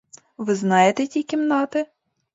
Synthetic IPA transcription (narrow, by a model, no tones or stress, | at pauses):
ʋɪznɑjet̪ɛtʲikʲimnɑt̪ɪ